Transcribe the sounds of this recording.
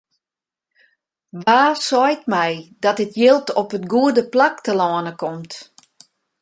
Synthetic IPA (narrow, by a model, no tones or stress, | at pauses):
ʋaːsɔjtmɛjdɔtɪtʰjɪlˠtʰɔpətɡuədəplak̚təlɔːnəkɔmt